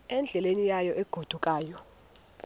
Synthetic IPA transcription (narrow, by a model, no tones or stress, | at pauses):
ɛnd͡ɮʱɛlenijajɔʔeɡ̥ʱud̥ʱukʼaːjɔ